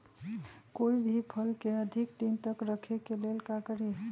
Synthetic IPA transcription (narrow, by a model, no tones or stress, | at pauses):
koibʱipʰəlkeəd̪ʱikd̪int̪əkɾəkʰekelelkakəɾi